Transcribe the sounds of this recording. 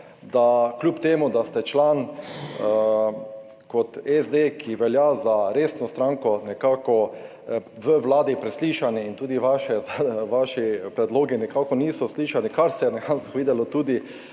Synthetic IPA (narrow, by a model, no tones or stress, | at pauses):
d̪aklʲjuːpt̪eːmud̪ast̪ɛt͡ʃlaːn | kɔt̪ɛzd̪eːkʰiʋɛljazaɾeːsnɔst̪ɾãŋkɔnɛkaːkɔ | ʋəʋlaːd̪ipɾɛsliːʃaniːnt̪uːd̪iʋaʃɛʋaʃipɾɛd̪loːɡinɛkaːkɔniːsɔsliːʃanikaɾsɛjɛnɛkant̪xʋiːd̪ɛlɔt̪uːd̪i